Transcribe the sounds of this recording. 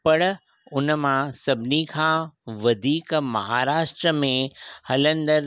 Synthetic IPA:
pɐɽ | ʊnmãsɐbʱɪnikʰãʋɐd̪ʱiːkmɐ̰ɦaːɾaːʃʈɾəmẽhɐlə̃nd̪əɾ

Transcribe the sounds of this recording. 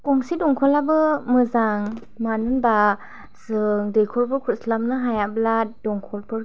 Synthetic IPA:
kɔŋsidɔŋkʰɔlabɯmɯzaŋ | manɯnba | z̥ɯŋdɯjkʰɔɾbɯɾkʰuslamnɯɦajabladɔŋkʰɔɾbɯɾ

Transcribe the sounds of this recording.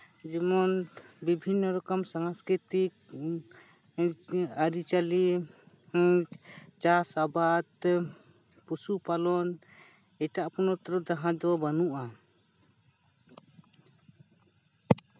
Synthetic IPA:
d͡ʒɛmɔnbibʱinːɔɾɔkɔmsaŋaskɾit̪ik̚ | aɾit͡ʃali | t͡ʃasabad̪ | pusupalɔn | ɛtaʔpɔnɔt̪ɾɔd̪aɦãd̪ɔwabanuʔa

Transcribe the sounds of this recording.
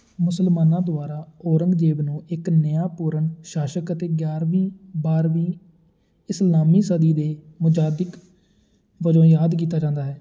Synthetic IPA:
mʊsəlmaːnãːd̪ʊaːɾaːoːɾəŋɡd͡ʒeːʋnũːɪknəjãːpuːɾənʃaːʃəkət̪eːɡjaːɾʋiːbaːɾʋiː | ɪslaːmiːsəd̪iːd̪eːmʊd͡ʒaːd̪ɪk | ʋəd͡ʒõːjaːd̪k̬iːt̪aːd͡ʒãːnd̪aːɦɛː

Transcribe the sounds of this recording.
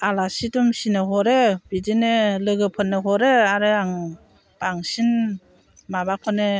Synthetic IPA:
alasitumsinɯɦɔɾeb̥idinelɯɡɯpʰɯnːɯɦɔɾeaɾɯaŋ | b̥aŋsin | mabakʰɔne

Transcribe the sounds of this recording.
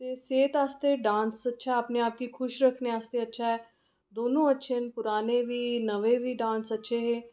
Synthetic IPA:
t̪eːseːt̪aːst̪eːɖãːnsətːʃʰaəːpneːaːp̚kiːkʰʊʃɾəkʰneːaːst̪eːətːʃʰaːɦɛː | d̪oːnõːətːʃʰenpʊɾaːneːʋiːnəʋeːʋiːɖãːnsətːʃʰeːɦeː

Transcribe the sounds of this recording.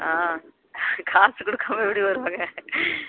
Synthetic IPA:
aː | kʰaːsɯkɔɽɯkːaːmɐɛpːɐɽiʋɐɾɯʋaːŋɡɐ

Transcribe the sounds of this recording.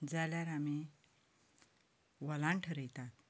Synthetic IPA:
d͡zaljaɾami | ʋəlãɳʈʰəɾəjt̪at̪̚

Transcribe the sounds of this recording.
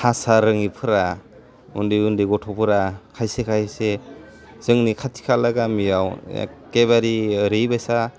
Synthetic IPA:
hasaɾɯŋipʰɯɾa | undijundiɡɔtʰɔpʰɯɾakʰajsekʰajse | z̥ɯŋnikʰatʰi̥kʰalaɡamijaw̰keβaɾiɯɾɯjbajsa

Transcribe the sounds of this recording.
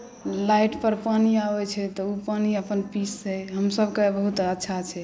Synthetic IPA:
laiʈpəɾpaniabɛt͡ʃʰɛt̪ɔupaniəpənpisːɛɦəmsəbʱkebəɦut̪ətːʃʰat͡ʃʰɛ

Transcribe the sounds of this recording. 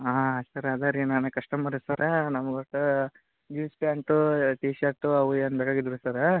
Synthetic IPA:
aːɐsɐɾɐd̪aɾinaːnekɐʂʈɐmaːɽsɐɾenɐmɐɡɐʈɐ | d͡ʒiːspjaːɳʈuʈiːʃɐɾʈuɐʋueːnbeːkaːɡid̪ɾusɐɾe

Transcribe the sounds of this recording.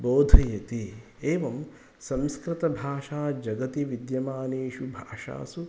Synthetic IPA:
boːd̪ʱɐjɐt̪i | eːʋɐm | sɐ̃mskɾɪt̪ɐbʱaːʃaːd͡ʒɐɡɐt̪iʋid̪jɐmaːneːʃubʱaːʃa̰ːsu

